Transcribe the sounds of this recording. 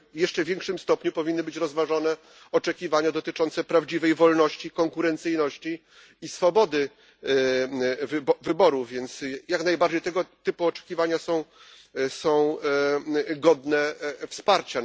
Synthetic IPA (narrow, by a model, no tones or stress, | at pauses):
jɛʂt͡ʂɛvʲjɛŋkʂɘmst̪ɔpɲupɔvʲinːɘbɘt͡ɕɾɔzvaʐɔnɛ | ɔt͡ʂɛkʲivaɲad̪ɔt̪ɘt͡ʂɔntsɛpɾavd͡ʑivɛjvɔlnɔɕt͡ɕikɔŋkuɾɛnt̪sɘjnɔɕt͡ɕiː | sfɔbɔd̪ɘ | vvɘbɔɾuvʲjɛnt̪sjaknajbaɾd͡ʑejt̪ɛɡɔt̪ɘpuɔt͡ʂɛ̥kʲivaɲasɔ̃w̃ | sɔ̃w̃ | ɡɔd̪nɛfspaɾt͡ɕa